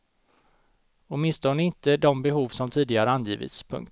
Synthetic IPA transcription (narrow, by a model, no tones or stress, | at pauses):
ɔt̪mɪnst̪ʰɔnəɪnt̪əd̪ɔmbɛɦuːvsɔmt̪ʰiːd̪ɪɡaɾəanjiːvɪ̰t̪spʰɵ̰ŋkt̪